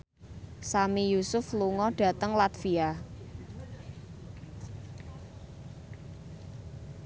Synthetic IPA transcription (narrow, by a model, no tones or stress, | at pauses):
samijusʊfluŋɔɖ̥ä̤t̪əŋlat̪fia